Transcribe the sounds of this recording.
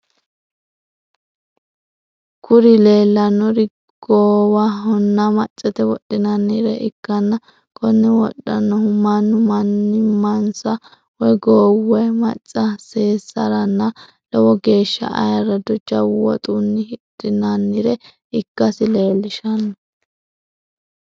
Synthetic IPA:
kʰʊɾɪle̞ːlːɐnːɔɾɪ | ɡ̥oːwaɦɔnːɐmɐt͡ʃʼːɛt̪ɛwɔɗːɪnɐnːɪɾɛʔɪkːɐnːɐ | kʰɔnːɛwɔɗːɐ̰nːɔhʊmːɐnːʊmɐnːɪmɐnsɐ | wɔjɡoːwɛmɐ̰t͡sʼːɐseːsːɐɾɐnːɐ | lɔwɔɡe̞ːʃːɐ̰ʔɐ̰jɐɾɐd̪ʊd͡ʒɐwːɔ̰t̪ʼuːnːɪhɪtːɪnɐnːɪɾɛ | ɪkːɐsɪle̞ːlːɪʃɐnːɔ

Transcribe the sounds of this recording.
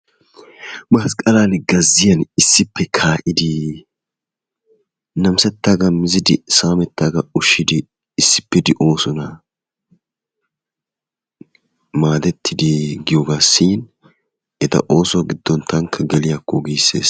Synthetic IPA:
bɐɐskʼɐlaːnɡɐzːɪjɐnɪsːɪpːɛkʰaːʔɪd̪ɪ | nɐmsɛt̪ːaɡɐmɪzɪd̪ɪ̰saːmɛt̪ːaːɡɐʊʃːɪd̪ɪː | sːɪ̥pːɪd̪ɪʔo̞ːsʊnɐ | maːd̪ɛt̪ʰːɪd̪ɪɡɪjoːɡaːsiːn | ʔɛt̪ɐ̰ʔo̞ːsɔwɐɡɪd̪ːɔnt̪ʰɐŋkʰːɐɡɛlɪjɐkːɔɡijsːḛːs

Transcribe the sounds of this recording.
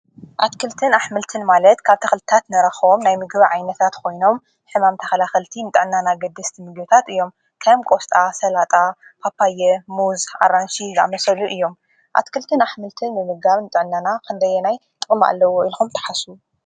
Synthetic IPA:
ʔat̪kʰɨlt̪ʰɨnaħmɨlt̪ʰɨnmalɐt̪kʰaβt̪ʰɐxlt̪ʰat̪nɐɾɐxomnajmɨɡɨβiʕajnɐt̪ʰat̪kʰo̞jno̞m | ħɨmamt̪ʰɐxɐlaxɨlt̪ʰinɨt̪ʼɨʕɨnːanaɡɐd̪ːɐst̪ʰimɨɡɨβɨt̪ʰat̪ɨjːo̞m | kʰajomkʼost̪ʼasɐlat̪ʼapʰapʰːajɛmuzʔa̰ɾanʃiza̰mɐsɐluʔɨjːo̞m | ʔa̰t̪kʰɨlt̪ʰɨnaħmɨlt̪ʰɨnːɨmɨɡaβnɨt̪ʼɨʕnːanakʰɨnd̪ɐjːɛnajt̪ʼɨχʼma̰lːɐwoilxumt̪ʰɐ̥ħasu

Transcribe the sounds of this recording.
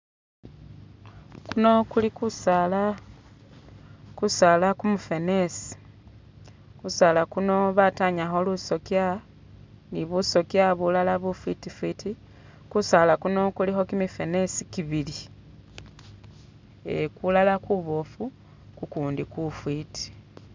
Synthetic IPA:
kuno̞kulikusala | kusaːlakumufe̞nesi̥ | kusalakuno̞βataɲaxo̞luso̞kja | niβuso̞kjaβulalaβufwitifwiti | kusalakuno̞kulixo̞kimife̞ne̞sikiβili | ekulalakuβo̞fu | kukuːndikufwitʰi̥

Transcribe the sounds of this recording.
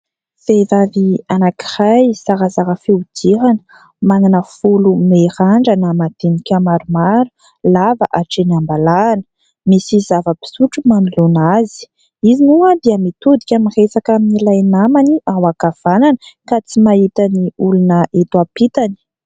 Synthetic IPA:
fevavianaki̥rajsaɾazaɾəfeud̪iɾanə̥ | mananəfulumeraɳɖ͡ʐanəmat̪enikʲamaɾumaɾu | lavaʔaʈ͡ʂenambalaːnə̥ | misizavəpi̥suʈ͡ʂumanilonazi̥ | izinuad̪iəmit̪ud̪ikʲamiresakaminilajnamaniʔawakav̥ananəkat͡simait̪aniulunəʔet̪wapit̪ani̥

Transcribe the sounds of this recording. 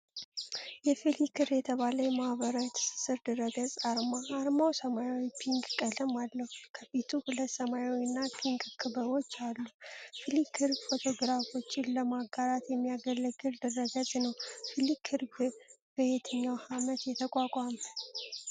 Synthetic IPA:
jɛfilikʰɨrjɛt̪ʰəβaləjɛmahβəɾajt̪ʰɨ̥sɨ̥sɨɾd̪ɨɾəɡət͡sʼaɾmaːɾmawsəmajawipʰiŋkkʼələmalːəhukʰəfit̪ʰuhulət̪səmajawinːapʰiŋkʼkʰɨbəwo̞t͡ʃːalːufilikʰɨɾbfo̞t̪ʰo̞ɡɾafo̞t͡ʃːɪnləmaɡaɾat̪jɛmːijaɡəlːəɡɨld̪ɨrəɡət͡sʼnəwfilikʰɨɾbb̥əjet̪ʰɨɲːawhamət̪jɛt̪ʰəkʼakʼamə

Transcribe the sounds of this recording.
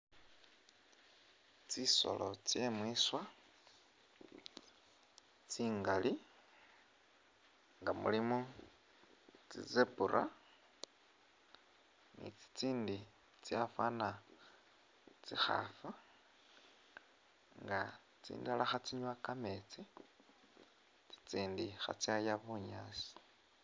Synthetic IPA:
t͡siso̰lot͡sjemwiswa | t͡siːŋɡali | ŋɡamṵlimu | t͡sḭzepuɾa̰ | nḭt͡si̥t͡siːndi | t͡sjafana | t͡sixa̰fa | ŋɡa | t͡sḭːndalaxat͡siɲwakamet͡si | t͡si̥t͡siːndixa̰t͡sajaβuɲaːsi̥

